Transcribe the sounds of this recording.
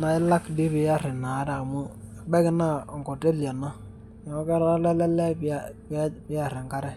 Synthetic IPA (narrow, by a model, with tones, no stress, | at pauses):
na˨ɪ˦la˦kdi˦pɪ˨ja˦ɾɪ˨na˨˦da˨mu˦˨ | bɛ˦kɪ˦na˦˨ŋko˨te˦lja˨na˦˨ | ŋɔ˦kɛ˦ɾa˦lɛ˦lɛ˦lɛ˦pppɪ˦a˨ɾɪ˨ŋka˦ɾɛ˦˨